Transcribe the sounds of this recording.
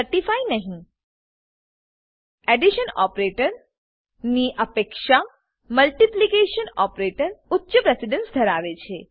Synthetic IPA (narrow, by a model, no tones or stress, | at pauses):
əɾʈifainəɦĩ | ɛɖiʃənɔ̰pɾeʈəɾ | niʔəpekʃa | məlʈiplikeʃənɔpɾeʈəɾʊtːʃəpɾesiɖənsd̪ʱəɾaʋet͡ʃʰe